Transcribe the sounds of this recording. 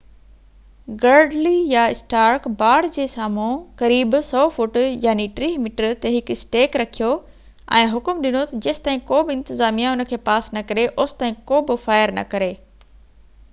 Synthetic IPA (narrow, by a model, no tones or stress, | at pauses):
ɡɐɾɖlijaɪsʈaːɾkbaːɽd͡ʑeːsaːmõkɐɾiːbsɔːfʊʈjaːniʈɾiːɦmiʈəɾt̪eɦɪkɪsʈeːkɾɐkʰijo | ɛ̰̃ːɦʊkmɗɪnot̪ɐd͡ʑɐːst̪aːɦĩkoːbɪɪ̃nt̪ɪzaːmijãʊnə̆kʰeːpaːsnɐkɐɾeʔoːsɪ̥t̪aːɦĩkoːbɪfaːɪəɾnɐ̰kɐɾeː